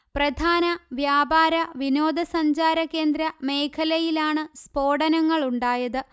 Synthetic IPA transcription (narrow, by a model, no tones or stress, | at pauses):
prɐd̪ʱaːnɐʋjaːbaːɾɐʋino̞ːd̪ʱɐsɐɲd͡ʑaːɾɐkːe̞ːnd̪ɾɐme̞ːkʰɐlɐjilaːɳɨspo̞ːɽɐnɐŋːɐɭuɳɖaːjɐðɨ